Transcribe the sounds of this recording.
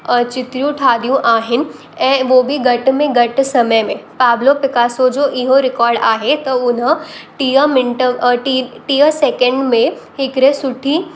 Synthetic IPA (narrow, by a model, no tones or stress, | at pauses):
t͡ɕɪt̪ɾijũʈʰaːd̪ijũʔaːɦɪnɪ̆ | ɛ̃ːʋoːbʱiɡɐʈmẽɡɐʈsɐməjmẽpaːblopɪkaːsod͡ʑoːʔɪɦoɾɪkɔːɾɖaːɦet̪ɐʊnəʈiəmɪɳʈəʈiʈiːəseːkə̃ɳɖmẽɦɪkɾesʊʈʰiː